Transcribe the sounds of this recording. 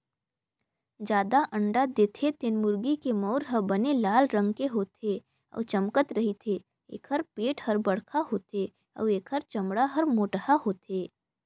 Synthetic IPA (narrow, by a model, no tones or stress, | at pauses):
d͡ʒjaːd̪aʔɐ̃ɳɖad̪eːt̪ʰet̪ɪnmʊɾɡikemɔːɾɦəbɐnelaːlɾə̃ŋɡkeɦoːt̪ʰe | ɔ̰ːt͡ʃɐmkət̪ɾɐɦit̪ʰe | ḛːkʰɦəɾpeːʈhɐɾbɐɽkʰaɦoːt̪eː | ɔ̰ʋeːkʰəɾt͡ʃɐmɽaɦɐɾmoːʈhaɦoːt̪eː